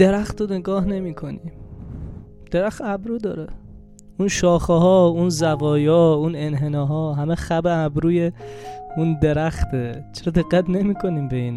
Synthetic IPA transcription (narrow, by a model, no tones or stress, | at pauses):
d̪eɾæxt̪oneɡɒːhne̞miːkʰo̞niːm | d̪̥eɾæxt̪æbɾuːd̪ɒːɾe | unʃɒːxeɦɒːunzævɒːjɒːunenɦenɒːɦɒːɦæmexæbeæbɾuːjeund̪e̞ɾæxt̪ʰet͡ʃʰeɾɒd̪e̞ɡːæt̪ʰne̞miːkʰo̞niːmbeiːn